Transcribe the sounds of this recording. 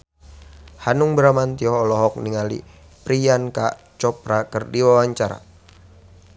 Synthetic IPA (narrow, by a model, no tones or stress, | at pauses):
hanʊŋbɾamant̪iɔɔlɔɦɔk̚niŋalḭ | pɾijanka | t͡ʃɔp̚ɾakərdiwawaɲt͡ʃaɾa̰